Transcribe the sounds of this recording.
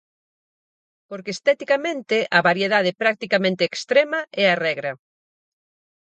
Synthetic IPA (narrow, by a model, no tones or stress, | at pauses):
poɾkeːst̪ɛt̪ikamẽnt̪ɪʔaβaɾjeðað̞epɾak̚t̪ikamẽnt̪eːkst̪ɾemɐɛarɛɣɾɐ